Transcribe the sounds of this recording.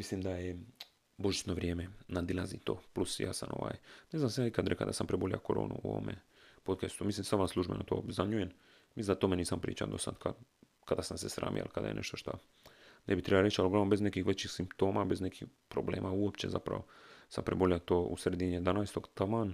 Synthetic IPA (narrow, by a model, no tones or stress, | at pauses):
mislimd̪aje | bo̞ʒit͡ʃ̪noʋɾʲjeːmenad̪ilazit̪o̞̰ːplusja̰ːsamʔo̰ʋa̰ːjneznamsjaːikad̪ɾekad̪asampɾebolia̰koɾo̰ːnṵuo̰ʋo̰mʔḛ | pot̪kest̪umislimsaʋanslˠuʒbenot̪o̰ːzaɲujen | misinat̪omeniːsampɾḭːt͡ɕa̰d̪o̞sad̪kʰa | kad̪asamsesɾa̰ːmḭa̰lkad̪a̰jḛneʃt̪oʃt̪a̰ | nebit̪ɾebalɾet͡ɕaloɡlaʋnombe̞znekixʋet͡ɕixsimpt̪o̞ːmabe̞zne̞kixpɾoblḛːmauopt͡ɕe̞za̰pɾa̰ʋo̞sampɾeboliat̪oːʔṵsred̪iɲed̪anaːjst̪oɡt̪aman